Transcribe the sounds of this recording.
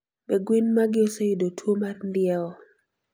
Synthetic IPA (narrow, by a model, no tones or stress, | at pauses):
bɛɡwinmaɡɪosejidotʰwomarndɪaɔ